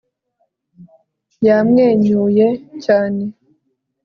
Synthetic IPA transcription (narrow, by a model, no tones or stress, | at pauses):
jamŋeːɲujecaːne